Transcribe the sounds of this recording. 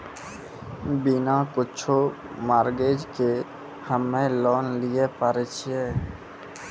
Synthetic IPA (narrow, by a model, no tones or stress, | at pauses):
binakɪt͡ʃʰo | maːɾɡed͡ʒke | həmːẽlɔːnlijepaɾet͡ʃʰiɛ̃ː